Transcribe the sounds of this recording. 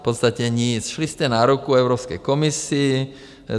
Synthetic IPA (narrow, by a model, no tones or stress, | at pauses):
pɔt̪st̪acɛɲisʃliscɛnaɾukuɛʊɾɔːpskɛjkɔmisiː